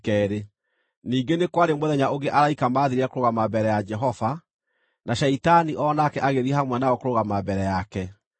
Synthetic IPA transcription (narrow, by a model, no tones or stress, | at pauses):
kɛːɾe | niːŋɡenekwaɾemwoðɛɲaoɡeʔaɾaikamaːðiɾeɛkoɾoɣamabɛɾɛjad͡ʒɛɦɔva | naʃaitaniʔɔnakɛʔaɣeðihamwɛnaɔkoɾoɣamabɛɾɛjakɛ